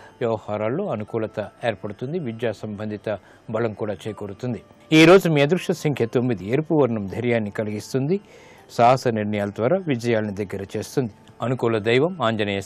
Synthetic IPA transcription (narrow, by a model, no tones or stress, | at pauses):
ʋjɐʋɐhaːɾaːlːo̞ːɐnukuːlɐt̪ɐeːɾpɐɽut̪und̪iʋid͡ʒjaːsɐmbʱɐnd̪ʱit̪ɐ | bɐlɐmkuːɽaːt͡ʃeːjkoɽut̪und̪i | iːɾo̞ːd͡ʒumiɐd̪ɾuʂʈɐsɐŋkʰɐt̪omːid̪ieːɾpuʋɐɾɳɐmd̪ʱɐɾjaːnːikɐliɡist̪und̪i | saːɦɐsɐniɾnɐjaːlɐd̪ʋaːɾaːʋid͡ʒɐjaːlɐnid̪ɐɡːɐɾɐt͡ʃe̞ːst̪und̪i | ɐnukuːlɐd̪ɐjʋɐmaːɲd͡ʒɐnɐjɐ